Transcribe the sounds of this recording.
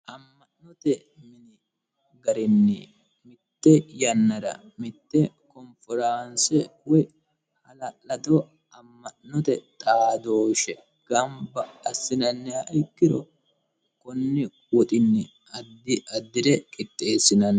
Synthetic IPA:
ʔɐmːɐʔnɔt̪ɛ | mɪnɪ | ɡɐɾɪnːɪ | mɪt̪ːɛjɐnːɐɾɐ̰ | mɪt̪ːɛ | kɔnfɔɾaːnsɛwɔj | hɐlɐlɐt̪ɔ | ʔɐmːɐʔnɔt̪ɛt̪ʼaːd̪oːʃɛ | ɡ̥ɐmbɐːsːɪnɐnːɪɐʔɪkːɪɾɔ | kɔnːɪ | wɔt̪ʼɪnːɪ | ɐd̪ːɪɐd̪ːɪɾɛkʼɪt̪ʼːe̞ːsːɪnɐn

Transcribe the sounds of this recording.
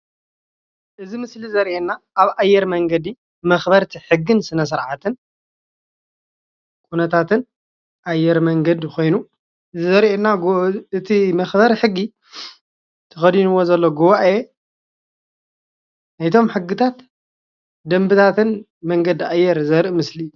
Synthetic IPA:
ʔɨzimɨslizɐɾʔenːaʔaβajːɛɾmɐŋɡɐd̪i | mɐxbɐɾt̪ʰiħɨɡːɨnsɨnɐs̬ɨɾʕat̪ʰɨn | kʰunɐt̪ʰat̪ʰɨn | ʔajːɛɾmɐŋɡɐd̪ko̞jnu | ɨzizɐɾʔenːaɡɨt̪ʰimɐxbɐɾħɨɡːi | t̪ʰɐxɐd̪inuwo̞zɐlːoɡuβaʔe | ajt̪ʰo̞mħɨɡːɨt̪ʰat̪ | d̪ɐmbɨt̪ʰat̪ʰɨn | mɐŋɡɐd̪iʔajːɛɾzɐɾʔmɨsliːu

